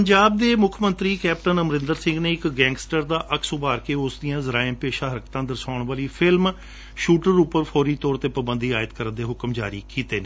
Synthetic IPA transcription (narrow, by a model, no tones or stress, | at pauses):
pəɲd͡ʒaːb̚d̪eːmʊkʰmə̃nt̪ɾiːkɛːpʈənəmɾɪ̃nd̪əɾsɪ̃ŋɡneːɪkɡɛ̃ːŋɡsʈəɾd̪aːʔəkʰsʊbaːɾkeːʊsd̪ijãːzəɾaːɪmpeːʃaːɦəɾkt̪ãːd̪əɾsaːʊɳʋaːliːpʰɪlm | ʃuːʈəɾʊpəɾpʰɔːɾiːt̪ɔːɾt̪eːpəbə̃nd̪iːaːɪt̪kəɾənd̪eːɦʊkəmd͡ʒaːɾḭːkiːt̪eːneː